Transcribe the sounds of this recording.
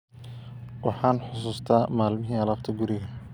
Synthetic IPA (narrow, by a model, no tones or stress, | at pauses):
wɑħɑːnħʊsuːst̪ʰaːmaːlmɪɦiːɐlaːqt̪ʰɐɡʊɾɪɣɐ